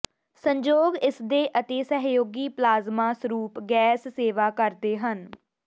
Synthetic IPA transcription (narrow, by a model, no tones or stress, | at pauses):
səɲd͡ʒoːɡɪsd̪eːʔət̪eːsəɦjoːɡiːplaːzmaːsəɾuːpɡɛːsːeːʋaːkəɾd̪eːɦən